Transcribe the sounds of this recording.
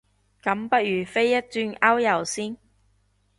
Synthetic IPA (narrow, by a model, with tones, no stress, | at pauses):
kɐ˨˥mpɐ˥t̚jyː˨˩fe˥jːɐ˥t̚t͡syː˧nɐ˥wjɐ˨˩wsiː˥n